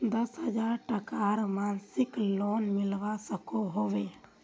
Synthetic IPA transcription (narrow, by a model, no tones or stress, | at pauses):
d̪əsɦəd͡ʒaɾʈəkaɾmansɪkloːnmɪlʋasəkoɦoʋe